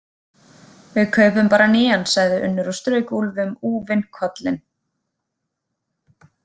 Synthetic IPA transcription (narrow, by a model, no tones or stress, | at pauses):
vɪðkʰœːɥpʏmpaːɾanɪːansaɣðɪʔʏnːʏɾɔst̪ɾœːɥkulvʏmuːvɪnkʰɔt̪lɪn